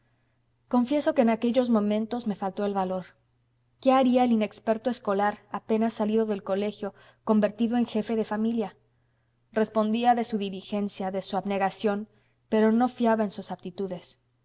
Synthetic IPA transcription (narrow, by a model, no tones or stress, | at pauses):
ko̞ɱfje̞so̞ke̞ːnake̞ʝo̞zmõ̞mẽnt̪o̞zme̞falt̪o̞e̞lβalo̞ɾ | ke̞aɾiae̞line̞kspe̞ɾt̪oesko̞laɾape̞nasːaliðo̞ðe̞lko̞le̞xjo̞ | ko̞mbe̞ɾt̪iðo̞e̞ŋxe̞fe̞ðe̞familja | re̞spo̞nd̪iaðe̞suðilixe̞nsjaðe̞suaβne̞ɣasjo̞n | pe̞ɾo̞no̞fjaβaensusap̚t̪it̪uðe̞s